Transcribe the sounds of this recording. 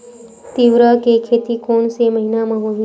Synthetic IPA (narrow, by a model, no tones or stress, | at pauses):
t̪iʋɾəkekʰet̪iːkoɳseməɦinaməɦo